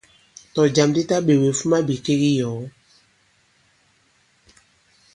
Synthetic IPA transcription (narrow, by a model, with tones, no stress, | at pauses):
tɔ˨d͡ʒa˨mdi˦ta˦ɓe˨we˨fu˦ma˦bi˨ke˦ɣi˦jɔː˨˦